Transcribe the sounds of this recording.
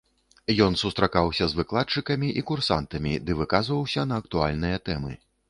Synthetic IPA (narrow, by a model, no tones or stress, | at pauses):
jɔnsust̪ɾakawsʲɐzvɨklˠat̪̚t͡ʂɨkɐmʲiʔikursa̰nt̪ɐmʲid̪ɨvɨkazvɐwsʲɐnɐːk̚t̪ualʲnɨjɐt̪ɛmɨ̰